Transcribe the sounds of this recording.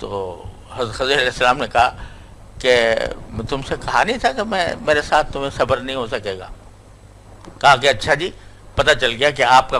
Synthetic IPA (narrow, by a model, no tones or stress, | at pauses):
t̪o̰ː | hɐzt̪xɐzlɐlɛːsːɐlaːmnekɐɦa | kem̃t̪ʊmsekɐɦanĩt̪ʰakemɛ̰̃meːɾesaːt̪ʰt̪ːʊmẽsɐbəɾnɐɦĩɦosɐkeːɡa̰ː | kɐɦakeɐtːʃʰad͡ʒiː | pɐt̪at͡ʃɐlɡɪjak̬eaːp̚ka